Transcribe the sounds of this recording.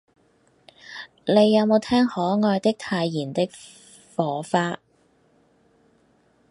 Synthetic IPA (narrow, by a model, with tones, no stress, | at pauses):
ne˨˧˥jːɐ˨˧wmo˨˧wt̪ʰɛː˥ŋhɔː˨˥ŋɔː˧jt̪ɪ˥k̚t̪ʰaː˧jːiː˨˩nt̪ɪ˥k̚ | fɔː˨˥faː˧